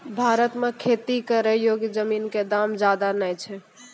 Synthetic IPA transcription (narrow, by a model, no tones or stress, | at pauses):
bʱaɾət̪mekʰet̪ikeɾəjoɡjd͡ʒəminked̪amd͡ʒad̪anəjt͡ʃʰɛ